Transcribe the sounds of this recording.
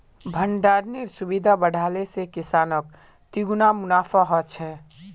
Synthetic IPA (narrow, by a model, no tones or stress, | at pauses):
bʱəɳɖaːɾneɾsubid̪ʱabəɽ̤ʱaːlesekisaːnək̚ | t̪iɡnamʊnaːfʰaɦɔt͡ʃʰɛː